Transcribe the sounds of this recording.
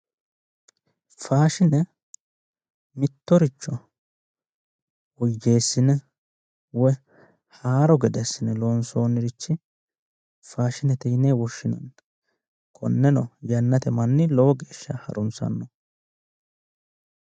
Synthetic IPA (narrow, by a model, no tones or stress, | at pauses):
faːʃɪnɛ | mɪt̪ːɔɾɪt͡ʃːɔ | wɔjːe̞ːsːɪnɛ | wɔj | haːɾɔɡɛd̪ɛsːɪnɛloːnsoːnːɪɾɪt͡ʃːɪ | faːʃɪnɛt̪iːneːwɔʃːɪnɐ̰n | kʰɔ̰nːɛnɔjɐnːɐt̪ɛmɐnːɪlɔwɔɡe̞ːʃːɐhɐ̰ɾʊnsɐ̰nːɔ